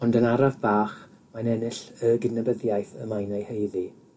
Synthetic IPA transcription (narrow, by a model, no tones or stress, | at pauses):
ɔndənaɾavbaːχ | manɛnɪɬəɡɪnəbəðjajθə̰majnajhejði